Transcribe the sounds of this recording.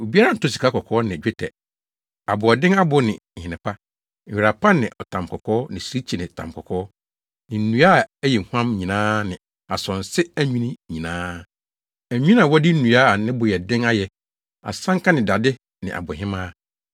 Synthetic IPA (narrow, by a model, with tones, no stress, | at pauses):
o˨bi˦a˦ɾa˦n̩˨tʰo˦s̬i̥˨kʰa˦kɔ˨kʰɔː˦nɪ̃˨d͡ʑᶣɛ˦tʰɛ˨ | a˨bʊ˨ɔ˨dɪ̃˦ŋa˦bʊ˨˦nɪ̃˨hɪ̃˨nɪ̃˨pʰa˦˨ | ɥi˨ɾa˨pʰa˦nɪ̰̃˨ʔɔ˨tʰã˨m˨kʰɔ˨kʰɔː˦nɪ̃˨si˦ɾi˦t͡ɕʰi˨nɪ̃˨tʰã̰˨mkʰɔ˨kʰɔː˦ | nɪ̃˨n̩˨nũ˨a˦˨æ˦jɛ˨ŋ̩˨hu˦ã˦mɲĩ˨nãː˦nɪ̃˨ | a˨sɔ̃˨n˨sɪ˦æ˦ɲᶣĩ˦nĩ˦ɲĩ˨nãː˦ | æ˨ɲᶣĩ˦n˦ã˨wɔ˦di˦n̩˦nũ˨a˦a˨nɪ̃˦bʊ˨jɛ˨dɪ̃˦ŋa˦jɛ˨ | a̰˨sã˦ŋka˦nɪ̃˨da˨dɪ˦ | nɪ̰̃˨ʔa̰˨bʊ˨ɦɪ̃˦mãː˦